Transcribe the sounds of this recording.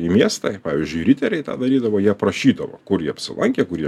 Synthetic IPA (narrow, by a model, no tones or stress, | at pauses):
imʲiɛst̪ɑppɑːʋʲɪzʲd͡ʒʲʊɪɾʲɪt̪ʲɛɾʲɛɪt̪ɑ̰ːd̪ɐɾʲiːd̪ɐʋoːjiɛpɾɐʃʲiːd̪ɐʋɐ̰kʊɾjiɛɐpʲsʲɪlˠʔɐŋʲkʲekʊɾjiɛ